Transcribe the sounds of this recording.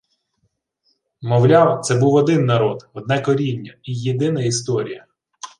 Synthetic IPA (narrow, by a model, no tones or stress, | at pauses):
mɔwlʲɑwt̪sɛbuwɔd̪ɪnːɐɾɔd̪ɔd̪̚nɛkɔɾʲinʲːɐijed̪ɪnɐist̪ɔɾʲijɐ